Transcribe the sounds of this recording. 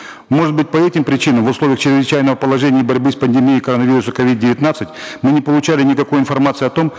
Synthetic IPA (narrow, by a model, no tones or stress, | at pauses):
mo̞ʐɨt̪̚bɨt̚ʲpɐɛtʲɪmpɾʲɪt͡ɕinəmvʊslˠo̞vʲɪjəxt͡ɕɪɾʲɪzvɪt͡ɕæjnəvəpəlˠɐʐɛnʲɪjəbɐɾʲbɨspənʲdʲɪmʲiːkɐɾonəvʲiɾʊsəkɐvʲid̪̚dʲɪvʲɪt̪nat̪sɨtʲmɨnʲɪpəlˠʊt͡ɕælʲɪnʲɪkɐkojɪnfɐrmat̪sɨɐt̪o̞m